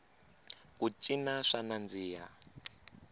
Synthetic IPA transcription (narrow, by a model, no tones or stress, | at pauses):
kut͡ʃʼinaʂanand͡ziːja̰